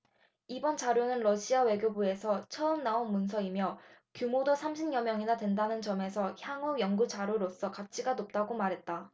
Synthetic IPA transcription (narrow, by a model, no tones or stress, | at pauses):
ibʌnt͡ɕaɾjonɯnɾʌɕʰiawe̞ɡjobue̞sʰʌt͡ɕʰʌɯmnaonmunsʰʌimjʌ | kjumodosʰamɕʰimɲjʌmjʌŋinadwe̞ndanɯnt͡ɕʌme̞sʰʌçjaŋujʌŋɡut͡ɕaɾjoɾos͈ʌkat͡ɕʰiɡanop̚t͈aɡomaɾɦet̚t͈a